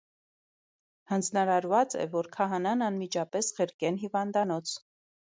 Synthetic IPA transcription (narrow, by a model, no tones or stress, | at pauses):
hɑnd͡znɑɾɑɾvɑt͡sɛ̰vɔɾkʰɑɦɑnɑnɑnmid͡ʒɑpɛsχəɾkɛnɦivɑnd̪ɑnɔt͡sʰ